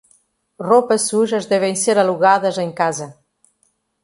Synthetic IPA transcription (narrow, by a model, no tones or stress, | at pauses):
ropɐsːuʒəzdɛβenseɾaluɣaðɐzeŋkazɐ